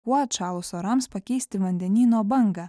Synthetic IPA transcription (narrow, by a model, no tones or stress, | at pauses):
uɔt̪t͡ʃɑːlˠʊsoːɾɐmspɐkʲɛɪsʲt̪ʲɪʋɐnʲd̪ʲɛnʲiːnoːbɐŋɡɐ